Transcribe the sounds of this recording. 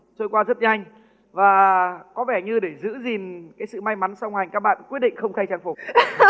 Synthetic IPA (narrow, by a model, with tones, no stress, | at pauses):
t͡ɕo˧jkwaː˧zə˦˥t̚ɲa˧jŋ̟ | vaː˨˩kɔ˨˦vɛ˧˩ɲɨ˧ɗe˧˩zɨ̰˧˥zi˨˩nkaː˨˦jsɨ̰˧˨ma˧jma˨˦nsa˧wŋ͡mha˨˩jkaː˦˥k̚ɓa̰ː˧˨n˩kwi˦˥ət̚ɗḭ˧˨ŋxə˧wŋ͡mxa˧jt͡ɕaː˨˧˩ŋfʊ˨˩